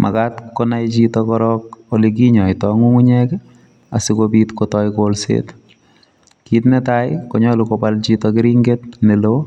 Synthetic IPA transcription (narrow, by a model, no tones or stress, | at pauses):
mʔa̰katkonajt͡ʃitɔkɔɾɔk̚olik̬iɲɔjtɔŋuŋuɲɛk | a̰sikobiːtkotɔjkolsḛːt | kiːtnɛtajkoɲɔlukopalt͡ʃitɔk̬ɪɾiŋɡetnelo